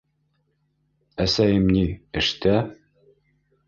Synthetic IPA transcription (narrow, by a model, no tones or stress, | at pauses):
æsæjɘmniɘ̆ʃt̪æ